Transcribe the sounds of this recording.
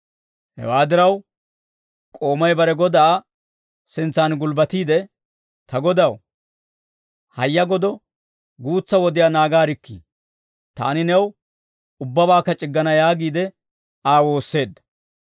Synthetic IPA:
hɛ̰waːd̪ɪɾɐw | kʼo̞ːmɐjbɐɾɛɡɔd̪ɐ | sɪnt͡sːaːnɡʊlbɐt̪iːd̪ɛ | t̪ɐɡɔd̪ɐw | hɐjːɐɡɔd̪ɔ | ɡuːt͡sːɐwɔd̪ɪjaːnaːɡaːɾɪkːḭ | t̪a̰ːnɪnɛw | ʊbːɐbaːkːɐt͡ʃʼɪɡːɐnɐjaːɡiːd̪ɛ | aːwo̞ːsːe̞ːd̪ːɐ̥

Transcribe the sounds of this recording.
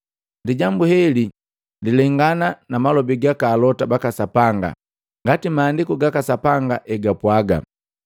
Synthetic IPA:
diɟambuhɛli | lilɛŋɡananamalɔbiɡakaːlɔtabakasapaŋɡa̰ | ŋɡatimaːndikɔɡakasapaŋɡaʔɛɡapwaɡa̰

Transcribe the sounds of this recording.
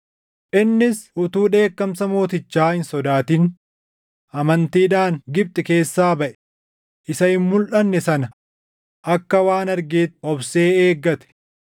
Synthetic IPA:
ʔɪnːɪsʔʊt̪uːᶑe̞ːkːɐmsɐmo̞ːt̪ɪt͡ʃːaːhɪnsɔd̪aːt̪iːn | ʔɐmɐnt̪iːᶑaːŋɡɪb̚t̪ʼɪke̞ːsːaːbɐʔɛ̥ | ʔɪsɐhɪmmʊlʔɐnːɛsɐnɐ | ʔɐkːɐwaːnɐɾɡeːt̪ɔbse̞ːeːɡːɐt̪ɛ̥

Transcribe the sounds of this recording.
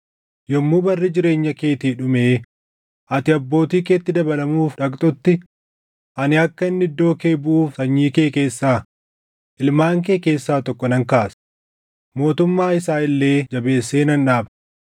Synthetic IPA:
jɔmːuːbɐrːɪd͡ʒɪɾe̞ːɲːɐke̞ːt̪iːᶑʊmeː | ʔɐt̪ɪɐbːo̞ːt̪iːkeːt̪ːɪd̪ɐbɐlɐmuːfᶑɐkʼt̪ʼʊt̪ːɪ | ʔɐnɪɐkːɐɪnːɪd̪ːo̞ːke̞ːbʊʔuːfsɐɲːiːkeːke̞ːsːaː | ʔɪlmaːŋk̬e̞ːke̞ːsːaːt̪ɔkːɔnɐŋkaːs | mo̞ːt̪ʊmːaːɪsaːɪlːe̞ːd͡ʒɐbe̞ːsːeːnɐnᶑaːb

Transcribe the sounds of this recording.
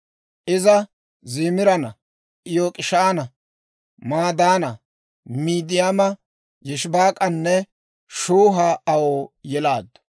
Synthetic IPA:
ʔɪzɐ | ziːmɪɾɐnɐ | ʔɪjoːkʼɪʃaːnɐ | maːd̪aːnɐ | miːd̪ɪjamɐ | jɛʃbaːkʼɐnːɛ | ʃuːɦaːɐwoːjɛlaːd̪

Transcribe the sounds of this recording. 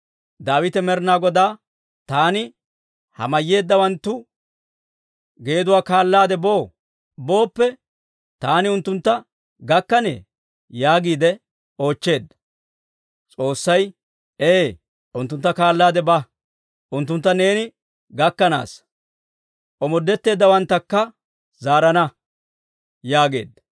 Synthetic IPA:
d̪aːwɪt̪ɛmɛɾnaːɡɔd̪aː | t̪aːnɪ | hɐ̰mɐjːe̞ːd̪ːɐwɐnt̪ːʊ | ɡe̞ːd̪ʊwaːkaːlːaːd̪ɛbo̞ː | bo̞ːpːɛ | t̪aːnɪʊnt̪ːʊnt̪ːɐ | ɡɐkːɐnḛː | jaːɡiːd̪ɛ | o̞ːt͡ʃːe̞ːd̪ːɐ̥ | t͡sʼo̞ːsːɐj | eː | ʔʊnt̪ːʊnt̪ːɐkaːlːaːd̪ɛbɐ | ʔʊnt̪ːʊnt̪ːɐne̞ːnɪ | ɡɐkːɐna̰ːs | ʔɔmɔd̪ːɛt̪ːe̞ːd̪ːɐwɐnt̪ːɐkːɐ | zaːɾɐnɐ | jaːɡe̞̰ːd̪ːɐ

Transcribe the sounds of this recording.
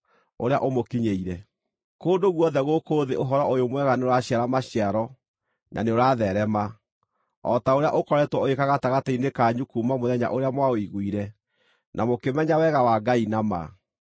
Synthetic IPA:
o̰ɾea̰ʔomokiɲeiɾɛ | koːndoɣwɔðɛɣokoːðeoɦɔɾɔojomwɛɣaneoɾaɕjaɾamaɕjaɾɔ | nʔa̰neoɾaðɛɾɛma | ɔ̰taoɾeaʔokɔɾɛtwɔoekaɣataɣatainekaɲukuːmamoðɛɲa̰ʔoɾeamwaoiɣwiɾɛ | nʔamokemɛɲawɛɣawaɡainama̰

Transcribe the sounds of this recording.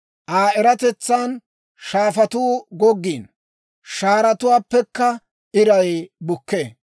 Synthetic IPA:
ʔaːɛɾɐt̪ɛt͡sːaːn | ʃaːfɐt̪uːɡɔɡːiːn | ʃaːɾɐt̪ʊwaːpːɛkːɐ | ʔɪɾɐjbʊkːeː

